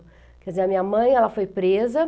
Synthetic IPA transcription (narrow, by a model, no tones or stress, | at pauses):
kɛdɪzẽɐmĩɲɐmɐ̃j̃ɛlɐfojpɾezɐ